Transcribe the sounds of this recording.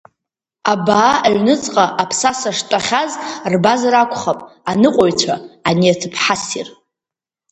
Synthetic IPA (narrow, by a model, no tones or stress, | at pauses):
abaːʔaɥnɨt͡sʼqʼaʔapʰsasaʂtʼaχʲazrbazrakʷʰʼχapʼanɨqʷʼojt͡ʃʷʰaaniatʰɨpʰħasir